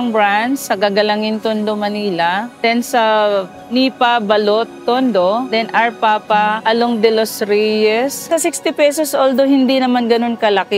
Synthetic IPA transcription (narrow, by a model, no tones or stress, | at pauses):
ŋbɹansɐɡaɡɐlɐŋɪnt̪ond̪omɐniːlɐd̪̥ɛnsɐ | nipɐbɐlot̪ːond̪od̪ɛnʔɐɹpapɐʔɐloŋd̪ɛlosɾijɛssɐsikst̪ɪpɛsosʔold̪ohɪnd̪inɐmanɡɐno̞nkɐlɐkɪ